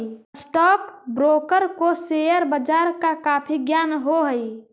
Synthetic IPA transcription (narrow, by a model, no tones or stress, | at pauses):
sʈɔːkbɾoːkəɾkosejəɾbəd͡ʒaːɾkakaːpʰiɡjaːnɦoɦəi